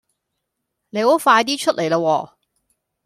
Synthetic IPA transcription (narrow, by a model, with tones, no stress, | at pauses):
ne˨˧jho˨˥wfaː˧jt̪iː˥t͡ʃʰɵ˥t̚lʔe˨˩jlaː˧wɔː˧